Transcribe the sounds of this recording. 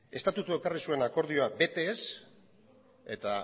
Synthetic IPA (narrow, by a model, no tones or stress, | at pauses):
e̞st̪at̪ut̪ue̞karisue̞nako̞ɾð̞ioabe̞t̪e̞s | e̞t̪a